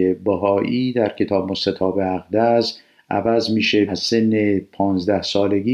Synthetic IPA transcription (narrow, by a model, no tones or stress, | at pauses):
ebæɦɒːʔiːd̪æɾcʰe̞t̪ʰɒːbmost̪et̪ʰɒːbeæɣd̪æz | ʔæ̰væzmiːʃeæsenːepʰɒːnzd̪æhsɒːleɡiː